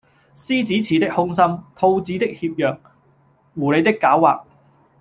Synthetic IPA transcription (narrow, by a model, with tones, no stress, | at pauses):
siː˥t͡siː˨˥t͡sʰiː˨˥t̪ɪ˥k̚hʊ˥ŋsɐ˥mt̪ʰo˧wt͡siː˨˥t̪ɪ˥k̚hiː˧p̚jœː˨k̚ | wuː˨˩le˨˧jt̪ɪ˥kːaː˨˥wa̰ː˨k̚